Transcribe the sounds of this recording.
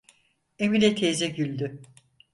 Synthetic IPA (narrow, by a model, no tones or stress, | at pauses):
emilʲɛt̪ʰeːzɛɟylʲd̪y